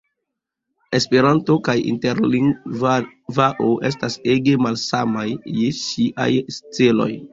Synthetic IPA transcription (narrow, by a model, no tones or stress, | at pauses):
e̞spe̞ɾanto̞kajḭnte̞ɾliŋv | vaʔoʔe̞̰s̬taseɡe̞malsamajːeʃiʔa̰jst͡selo̰j